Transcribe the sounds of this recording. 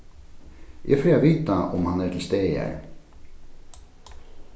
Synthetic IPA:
jʔɛ̰fɛːaviːt̪aʊmhanɛt̪ʰɪlst̪eːɛ̰ɹ

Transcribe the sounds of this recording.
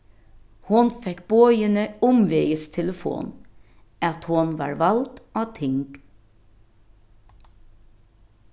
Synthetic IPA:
hʊnfɛkb̥oːjənəʊmʋeɪəst̪ʰɛləfo̰ːn | ʔɑt̪hʊnʋɑ̰ːɹʋɑlt̪ʔɑːt̪ʰɪŋɡ̥

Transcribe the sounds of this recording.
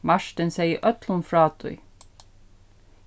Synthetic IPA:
mɑʃʈənsæɪḭːʔœt̪lʊnfɾɑːt̪ʰʊ̰ʏ

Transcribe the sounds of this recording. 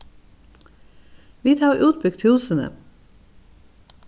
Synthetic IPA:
ʋiːt̪ʰɑːʁʔʉːt̪̚bʏɡ̚t̪ʰhʉːsənə̰

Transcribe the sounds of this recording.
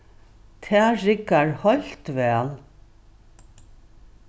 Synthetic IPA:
t̪ʰɛːɹɪkaɹhɔl̥t̪vɛːl

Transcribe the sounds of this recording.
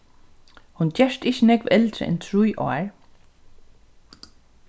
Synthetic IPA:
hʊncɛʂt̪ɪçənɛkʋɛlt̪ɾə̰ɛ̰nt̪ʰɾujʔɔ̰aɹ

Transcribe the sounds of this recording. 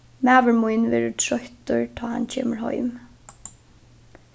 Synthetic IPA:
mæːʋəɹmujnʋɛːɹətʰɹœht̪ʊɹt̪ʰɔːha̰ncʰeːməɹhɔ̰ʏm

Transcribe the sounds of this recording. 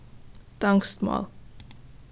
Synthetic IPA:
d̥aŋstmɑ̰ːl

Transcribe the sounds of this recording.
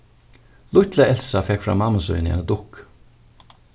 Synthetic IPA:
lʊt̪laɛl̥sɾafɛkfɾa̰maməsɔ̰ʏnɛ̰nəd̪ʊk

